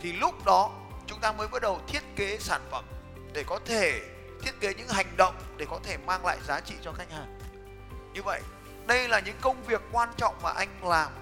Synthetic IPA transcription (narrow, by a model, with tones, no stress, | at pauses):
t̪ʰi˨˩lʊ˦˥k͡p̚ɗɔ˨˦ | t͡ɕʊ˨˦ŋ͡mt̪aː˧məː˨˦jɓa˦˥t̚ɗə˨˩wt̪ʰi˦˥ət̚ke˨˦saː˧˩nfə˧˩m | ɗe˧˩kɔ˨˦t̪ʰe˧˩ | t̪ʰi˦˥ət̚ke˨˦ɲɨ̰˧˥ŋɦa˨˩jŋ̟ɗə̰˧˨wŋ͡mɗe˧˩kɔ˨˦t̪ʰe˧˩maː˧ŋla̰ː˧˨jzaː˨˦t͡ɕḭ˧˨t͡ɕɔ˧xa˧jŋ̟haː˨˩n | ɲɨ˧və̰˧˨j | ɗə˧jlaː˨˩ɲɨ̰˧˥ŋkə˧wŋ͡mvi˨˩əkːwaː˧nt͡ɕɔ̰˧˨wŋ͡mmaː˨˩ʔa˧jŋ̟laː˨˩m